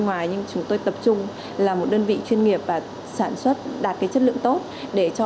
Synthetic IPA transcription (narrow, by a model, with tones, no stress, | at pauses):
ŋwaː˨˩jɲɨ˧ŋt͡ɕʊ˨˦ŋ͡mt̪o˧jt̪ə˨˩p̚t͡ɕʊ˧ŋ͡m | laː˨˩mo˨˩t̚ɗəː˧nvḭ˧˨t͡ɕwi˧ənŋi˨˩əp̚vaː˨˩ | saː˧˩nswə˦˥t̚ɗaː˨˩t̚kaː˨˦jt͡ɕə˦˥t̚lɨ̰˧˨əŋt̪o˦˥t̚ɗe˧˩t͡ɕɔ˧